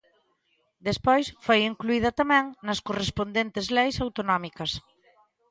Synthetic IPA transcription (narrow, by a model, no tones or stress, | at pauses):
d̪espojsfojiŋkluið̞ɐt̪amɛ̃ŋnɐskorespond̪ent̪ezlejsawt̪onɔmikɐs